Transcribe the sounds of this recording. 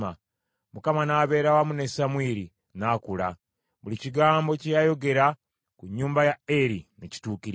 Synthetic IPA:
a | mukamanaːβe̞ːɾawamune̞samwiːɾi | naːkula | βuliciɡaːmbo̞cejajo̞ɡe̞ɾa | kuɲːuːmbajaeɾineci̥tuːkiɾ

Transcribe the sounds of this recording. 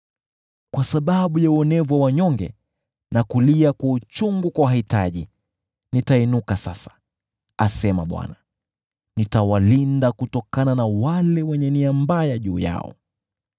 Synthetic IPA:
kwasaɓaɓujauɔnɛvwawaɲɔŋɡɛ̰ | nakuliakwaut͡ʃuŋɡukwawahitaʄi | nitainukasasḁ | a̰sɛmaɓwa̰na | nitawalindakutɔkananawalɛwɛɲɛniambajaʄuːja̰ɔ̰

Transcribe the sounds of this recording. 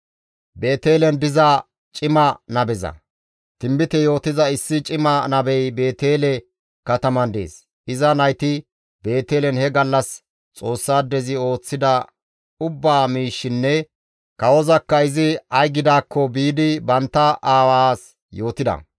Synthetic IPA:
be̞ːt̪e̞ːlɛnd̪ɪzɐ | t͡ʃʼɪmɐnɐbɛzɐ̰ | t̪ɪmbɪt̪ɛjo̞ːt̪ɪzɐɪsːɪt͡ʃʼɪmɐnɐbɛjbe̞ːt̪e̞ːlɛ | kɐt̪ɐmɐnd̪ḛːs | ɪzɐnɐjt̪ɪ | be̞ːt̪eːlɛnhɛɡɐlːɐs | t͡sʼo̞ːsːaːd̪ɛzɪo̞ːt͡sːɪd̪ɐ | ʊbːaːmiːʃːɪnːɛ | kɐwɔzɐkːɐɪzɪɐjɡɪd̪aːkːɔbiːd̪ɪbɐnt̪ːɐʔaːwaːs | jo̞ːt̪ɪd̪ɐ̰

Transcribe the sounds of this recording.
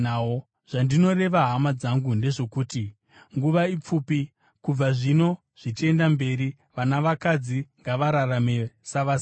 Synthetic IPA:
o | ʐ̥andino̞re̞ʋaɦamad͡zaŋɡunde̞ʐo̞kuːti | ŋɡuʋaip͡fuːpi | kub͡vaʐino̞ | ʐ̥it͡ʃie̞ndambe̞ri | ʋanaʋakad͡ziŋɡaʋaɾarame̞saʋas

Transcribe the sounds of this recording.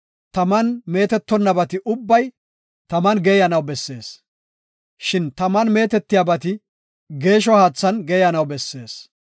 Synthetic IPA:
t̪ɐmɐnme̞ːt̪ɛt̪ːɔnːɐbɐt̪ɪʔʊbːɐj | t̪ɐmɐnɡeːjɐnɐwbɛsːe̞̰ːs | ʃɪnt̪ɐmɐnme̞ːt̪ɛt̪ːɪjabɐt̪ɪ | ɡe̞ːʃ̬ɔhaːt͡sːɐnɡeːjɐnɐwbɛsːe̞ːs

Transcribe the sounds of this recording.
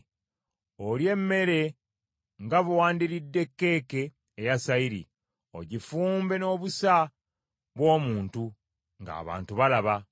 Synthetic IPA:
olje̞mːe̞ɾe̞ | ŋɡaβuwaːndiɾidːe̞kːe̞ːke̞ː | jasaiɾḭ | o̞̰ɟifuːmbe̞no̞ːβusa | βwo̞ːmuːntu | ŋɡa̰ːβa̰ːntuβalaβa

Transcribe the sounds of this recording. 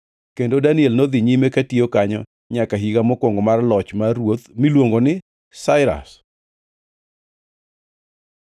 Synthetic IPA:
kendodaniɛlnɔd̪ɪɲimekatiokaɲɔ̰ | ɲakaɦiɡamɔkwoŋɡɔmarlɔt͡ʃmaɾwot̪milwoŋɡonɪ | saɪɾa̰s

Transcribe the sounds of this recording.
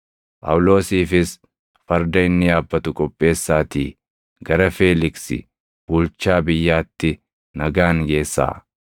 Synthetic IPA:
pʼɐ̰wʊlo̞ːsiːfɪs | fɐɾd̪ɐɪnːɪjaːbːɐt̪ʊkʼɔpʼːe̞ːsːaːt̪ḭː | ɡɐɾɐfeːlɪksɪ̰ | b̥ʊlt͡ʃːaːbɪjːaːt̪ːɪ | nɐɡaːŋɡe̞ːsːa̰ː

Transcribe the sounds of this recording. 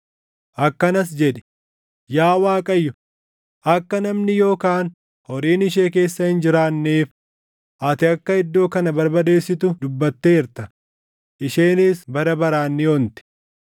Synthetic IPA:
ʔɐkːɐnɐs̬d͡ʒɛᶑɛ̥ | jaːwaːkʼɐjːʊ | ʔɐkːɐnɐmnɪjo̞ːkaːn | hɔɾiːnɪʃ̬e̞ːke̞ːsːɐhɪnd͡ʒɪɾaːnːeːf | ʔɐt̪ɪɐkːɐɪd̪ːo̞ːkɐnɐbɐɾbɐd̪e̞ːsːɪt̪ʊd̪ʊbːɐt̪ːe̞ːɪɾt̪ɐ | ʔɪʃeːniːsbɐɾɐbɐɾaːnːɪont̪ɪ̥

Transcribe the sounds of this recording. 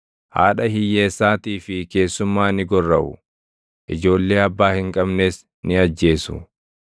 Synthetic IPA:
ha̰ːᶑɐhɪjːeːsːaːt̪iːfɪke̞ːsːʊmːaːnɪɡɔrːɐʔʊ̰ | ʔɪd͡ʒo̞ːlːe̞ːɐbːaːhɪŋkʼɐbne̞ːs | nɪɐd͡ʒːe̞ːsʊ̰

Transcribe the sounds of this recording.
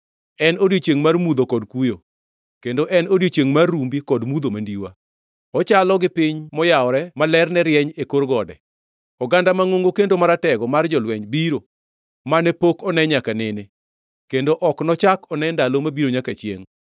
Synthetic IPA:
ɛnodjet͡ʃeŋmarmud̪okɔdkujo | kendoʔɛnodjet͡ʃjeŋmarːumbikɔdmud̪omandiwa̰ | ɔt͡ʃalɔɡɪpɪɲmɔjaɔɾɛmalɛrnɛɾjɛɲekorɡɔdɛ̰ | ɔɡandamaŋoŋɡokendomaɾatɛɡɔmard͡ʒɔlwɛɲbiɾo | manɛpokɔnɛɲakanɪne | kendoʔɔknɔt͡ʃakɔnɛndalomabiɾoɲakat͡ʃjḛŋ

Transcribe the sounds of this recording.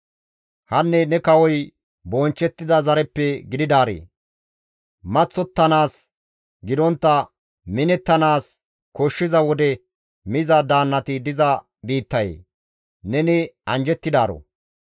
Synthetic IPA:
hɐnːɛnɛkɐwɔj | bɔnt͡ʃːɛt̪ːɪd̪ɐzɐɾɛpːɛɡɪd̪ɪd̪aːɾḛː | mɐt͡sːɔt̪ːɐnaːs | ɡɪd̪ɔnt̪ːɐ | mɪnɛt̪ːɐnaːs | kɔʃːɪzɐwɔd̪ɛ | mɪzɐd̪aːnːɐt̪ɪd̪ɪzɐ | biːt̪ːɐjḛː | nɛnɪɐnd͡ʒɛt̪ːɪd̪aːɾo̰

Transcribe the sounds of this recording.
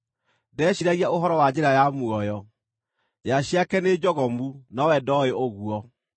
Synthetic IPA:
dɛɕiɾaɣiaoɦɔɾɔwad͡ʑeɾajamuɔjɔ | jaʃiakɛned͡ʒɔɣɔmunawɛdɔeoɣuɔ

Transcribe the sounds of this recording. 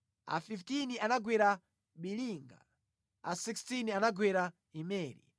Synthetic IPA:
a̰fiftinianaɡwɛɾa | ɓiliːŋɡa̰ | a̰sikstinianaɡwɛɾa | imɛːlḭ

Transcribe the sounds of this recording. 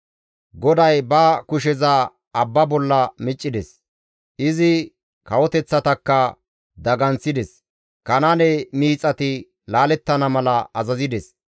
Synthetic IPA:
ɡɔd̪ɐjbɐkʊʃɛza | ɐbːɐbɔlːɐmɪt͡ʃʼːɪd̪ɛs | ʔɪzɪ | kɐwɔt̪ɛt͡sːɐt̪ɐkːɐ | d̪ɐɡɐnt͡sːɪd̪ɛs | kɐnɐnɛmiːt͡sʼːɐt̪ɪ | laːlɛt̪ːɐnɐmɐlɐʔɐzɐzɪd̪ɛs

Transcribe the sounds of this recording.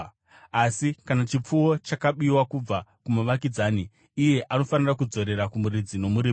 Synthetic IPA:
asikanat͡ʃip͡fuo̞t͡ʃakaɓiwakub͡vakumuʋakid͡zaːniː | je̞ʔano̞fanirakud͡zo̞ɾe̞ɾakumuɾid͡zino̞muɾim

